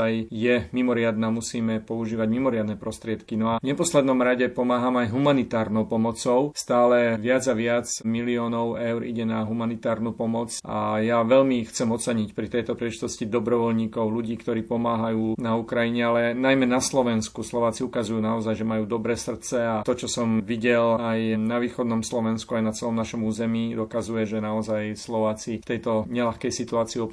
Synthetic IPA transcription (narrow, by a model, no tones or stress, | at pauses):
ajjɛmimɔɾɪad̪naːmusiːmɛpɔuʒiːʋaɟmimɔɾɪad̪nɛpɾɔst̪ɾɪɛt̪kinɔavɲɛpɔslɛd̪nɔmɾaɟɛpɔmaːɦamajɦumanit̪aːɾnɔʊpɔmɔt͡sɔʊst̪aːlɛʋɪad͡zaʋɪad͡zmiliɔːnɔʊɛʊɾḭɟɛnaɦumanit̪aːɾnupɔmɔt͡sa̰jaʋɛʎmixt͡sɛmɔt͡sɛɲicpɾit̪ɛjt̪ɔpɾilɛʒit̪ɔscid̪ɔbɾɔʋɔlɲiːkɔʊluɟiːkt̪ɔɾiːpɔmaːɦajuːnaukɾajiɲɛalɛnajmɛnaslɔʋɛnskuslɔʋaːt͡siukazujuːnaɔzajʒɛmajuːd̪ɔbɾɛːsr̩tt͡sɛat̪ɔt͡ʃɔsɔmʋiɟɛlajnaʋiːxɔd̪nɔmslɔʋɛnskuajnat͡sɛlɔmnaʃɔmuːzɛmiːd̪ɔkazujɛʒɛnaɔzajslɔʋaːt͡sift̪ɛjt̪ɔɲɛlaxkɛjsit̪uaːt͡siiɔ